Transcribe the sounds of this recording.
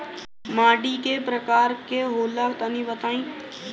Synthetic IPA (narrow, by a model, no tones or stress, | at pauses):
maːɖikepɾəkaːɾkeɦoːlakt̪ənĩːbət̪aːĩː